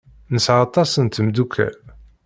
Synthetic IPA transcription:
nəsʕɑt̪ˤɑsənt̪md̪ukʰːæ̰l

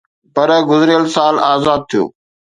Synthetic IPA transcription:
pɐɾɡʊzɾɪjəlsaːlaːzaːd̪̚t̪ʰijo̰ː

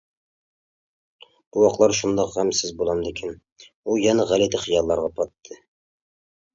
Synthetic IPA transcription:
b̥uwɑqlˠɑɾʃund̪ɑqhæmsɪzbolˠɑmd̪ɪkʲʰin | ujɛnɛʁælɪt̪ɪχijɑlˠːɑɾʁɑpʰɑt̪ʰːɨ

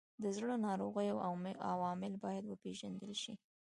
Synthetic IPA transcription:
d̪əzɽənɑɾoɣəjawa̰wɑmɪlbɑjad̪wəpeʒand̪əlʃi

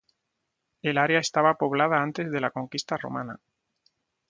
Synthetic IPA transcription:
e̞laɾeae̞st̪aβapo̞β̞lað̞aant̪e̞zðe̞lako̞ŋkist̪aro̞̰mana̰

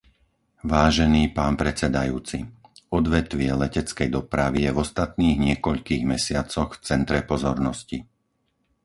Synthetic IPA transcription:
ʋaːʒɛniːpaːnpɾɛt͡sɛd̪ajuːt͡sḭɔd̪ʋɛt̪ʋɪɛlɛcɛt͡skɛjd̪ɔpɾaʋijɛvɔst̪at̪niːɣɲɪɛkɔʎkiːɣmɛsɪat͡sɔxft͡sɛnt̪ɾɛpɔzɔɾnɔsci

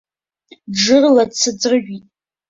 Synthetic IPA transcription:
ʐɨrladt͡sʰɨd͡zrɨʒʷᶣitʼ

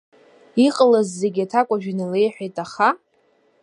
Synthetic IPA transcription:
iqʼəlazːeɡʲatʰakʷʼaʒᶣinile̞jħʷᶣejtʼaχa

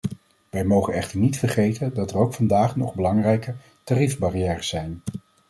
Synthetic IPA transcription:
ʋɛjmowχənɛχtəɹnitfəɹχejtəndɑtərowkfɑndaːχnɔ̰χbəlɑŋrɛjkə | tarifbarijɛːrəsɛjn

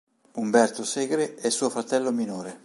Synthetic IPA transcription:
umbɛrt̪osɛːɡɾeɛsːuːofɾat̪ɛlːominoːɾe

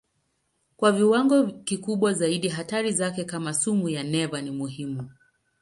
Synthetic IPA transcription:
kwaviwaŋɡɔkikuɓwazaiɗiɦataɾizakɛkamasumujanɛvanimuɦimu

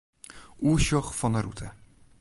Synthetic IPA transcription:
uəɹʃɔχfɑnəɾutʰə

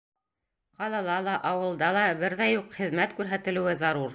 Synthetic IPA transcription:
qɑlˠɑlˠɑlˠɑʔɑwɤ̆lˠd̪ɑlˠɑbɘɾðæjuqχɘ̆ðmæt̪kʉɾɦæt̪ɘ̆lɘ̆wɘzɑɾuɾ

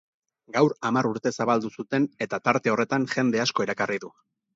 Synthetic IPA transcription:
ɡawɾamaɾuɾt̪e̞saβ̞ald̪usut̪e̞ne̞t̪at̪aɾt̪e̞o̞re̞t̪aŋʝe̞nd̪e̞asko̞iɾakariðu

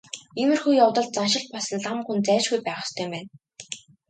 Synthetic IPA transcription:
imɘ̆rxujawt̪ɞ̆ɮt̪̚t͡sanʃɪ̆ɮt̪̚pɔɮsə̆nɮamxunt͡sæːt͡ɕɡujpæːʁə̆st̪ʰœjmpæːn

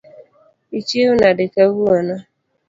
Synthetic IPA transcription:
it͡ʃeʊnadɪkaβuana

